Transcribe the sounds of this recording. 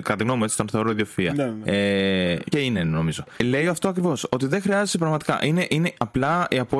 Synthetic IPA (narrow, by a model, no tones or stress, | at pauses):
kɐt̪ɐt̪iɣnomuet͡si̥t̪onθoɾoiðiofiɐeceineno̞mizo̞le̞ioɐft̪oɐkɾivo̞sot̪iðexɾiɐzesepɾɐɣmɐt̪i̥kɐ̰ʔine̞ʔine̞ɐplɐiɐpo